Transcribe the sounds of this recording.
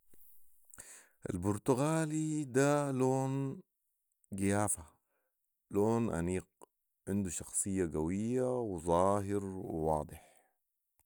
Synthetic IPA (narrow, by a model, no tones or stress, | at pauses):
ʔa̰lbʊɾt̪ʊɣaːlid̪aloːn | ɡɪjaːfa | loːnʔa̰niːq | ʕɪnd̪uʃɑxsˤɨjːaɡawijːawzˤɑːɦɪɾwɪ̰wɑːd̪ˤɨħ